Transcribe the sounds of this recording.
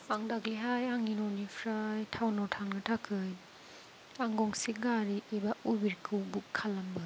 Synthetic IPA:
paŋdakliɦajaŋinɔnipʰɾajtʰawnɔtʰaŋnɯtʰakʰɯj | aŋɡɔŋsiɡaɾiʔibaubiɾkʰɯwbukʰːalɐmbɯ

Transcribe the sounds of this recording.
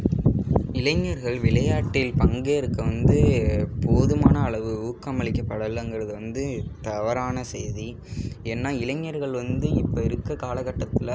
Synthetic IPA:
ɪlɐŋːɐɾɣɐɭʋɪɭɐjaːʈːɪlpɐŋɡeɪɾɯkːɐʋɐnd̪ɯpʰoːðɯmaːnɐːɭɐʋɯuːkːamɐɭɪkːɐpːɐɽɐlɐŋɡɪɾɐðɯʋɐnd̪ɯt̪ɐʋɐɾaːnɐseːði | ɛnːaːɪlɐŋːɐɾɣɐɭʋɐnd̪ɯɪpːoɪɾɯkːɐkaːlɐɣɐʈːɐt̪ːɪlɐ

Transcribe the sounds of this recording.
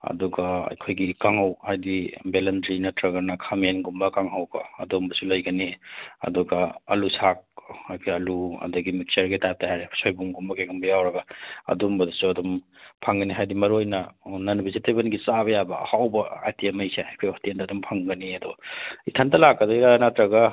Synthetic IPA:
ɐ̰duɡaɐ̰jkʰojɡikaŋɦawhajdibelɐndɾinɐtɾɐɡɐɾnɐkʰamenɡumbɐkaŋɦawɡɐɐ̰dumbɐsulɐjɡɐniɐ̰duɡaɐ̰lusʰak̚ajkʰojɐluɐ̰duɡimik̚t͡ʃɐɾɡitatahaɾe̥sojbuŋɡumbɐkeɡumbɐjawɾɐɡɐɐ̰dɔmbɐdɐsuɐdɔm | pʰaŋɡɐniɦajdimɐɾojnɐnɐnbizitebɐnɡisaβɐjabɐ̰hawbɐa̰jtiɐmɐjseajkʰojɔtiendɐːdɔmpʰaŋɡɐniɐdɔitʰantɐlakːɐdɔiɾanatɾɐɡa

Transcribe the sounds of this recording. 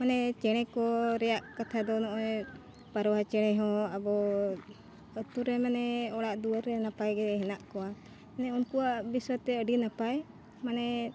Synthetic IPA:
manɛt͡ʃɛɽ̃ɛkɔɾɛjaʔkat̪ʰad̪ɔnɔʔɛ | paɾɔwat͡ʃɛɽ̃ɛɦɔ̃abɔ | ət̪uɾɛmanɛɔɽaʔd̪uwaɾːɛnapajɡɛɦɛnaʔkɔwa | ɛnɛunkuwaʔbiswat̪ɛəɖinapaj | manɛ

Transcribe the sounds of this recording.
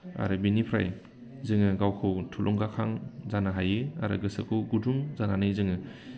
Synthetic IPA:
a̰ɾɯbinipʰɾa̰j | zɯŋɯɡawkʰɯwtʰulʔɔŋɡakʰaŋzanaɦajɯa̰ɾɯ̰ɡɯsɯ̰kʰɯwɡuduŋzananɯjzɯŋɯ

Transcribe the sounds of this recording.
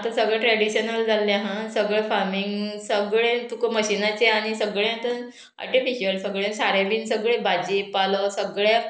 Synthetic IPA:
t̪əsəɡɭjãʈɾɛɽiɕənəld͡zalːjãɦãsəɡɭɛfaɾmiŋɡsəɡɭẽt̪ukəməɕinat͡seaɽ̃isəɡɭjãt̪ən | a̰ɾʈifiɕəlsəɡɭjẽsaɾeʋiːnsəɡɭẽbad͡ʑipaləsəɡɭja

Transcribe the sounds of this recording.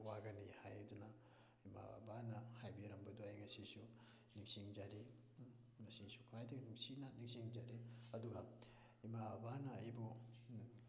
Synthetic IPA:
waɡɐnihajɐdunɐ | ima̰a̰banɐhajbiɾɐmbɐduajɡɐsisu | niksiŋd͡ʒaɾi | ɡɐsisu̥kʰajdɐɡnuksinɐnik̚siŋd͡ʒaɾiɐduɡɐ | imaabanɐːjbu

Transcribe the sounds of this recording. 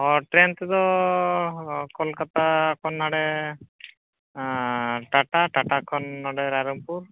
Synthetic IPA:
ɔʈɾent̪ɛd̪ɔ | kɔlkat̪aːkɔnːaɽɛ | ʈaʈaʈaʈakʰɔnːɔɽɛɾaɾɔmpuɾ

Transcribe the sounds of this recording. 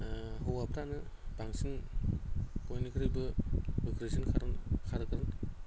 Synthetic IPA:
ɦowapʰɾanɯbaŋsin | kojnikʰɯɾibɯbikɾesinkʰaɾkʰaɾɯkɾɯn

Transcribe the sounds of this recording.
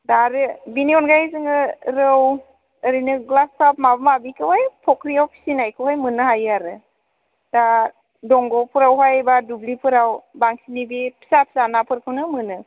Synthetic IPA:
daɾɯbiniɔnɡajzɯŋɯɾɯw | əɾinɯɡlasap̚mabɯmabikʰɯwhajpʰɔkɾijawpʰi̥sinajkʰɯwhajmɯnɯɦajaɾɯ | da | dɔŋɡɔpʰɯɾawɦajbadublipʰɯɾawbaŋsinibipʰi̥sapʰi̥sanapʰɯɾkʰɯwnɯmɯnɯ

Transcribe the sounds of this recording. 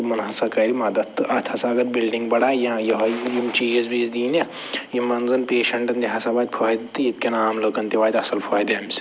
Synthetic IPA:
mɐnɦɐsɐkɐɾimɐd̪ɐt̪t̪ːɨʔɐt̪ʰɐsaɐɡɐɾbilɖiŋɡbɐɽaːjãjɐɦɐjimt͡ʃiːɐzʋiːzd̪iːnɐ | jimɐnzɐnpeːʃɐɳʈɐnd̪iɦɐsabaːt̪̚ʲpʰaːid̪ɐt̪ːɨjit̪̚kʲɐnaːmloːkɐnt̪iʋaːt̪ɐsɐlpʰaːid̪ɐɐms

